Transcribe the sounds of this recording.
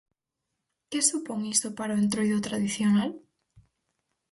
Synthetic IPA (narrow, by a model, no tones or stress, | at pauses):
kɪsupoŋist̪opaɾaoent̪ɾojðʊt̪ɾaðiθjonal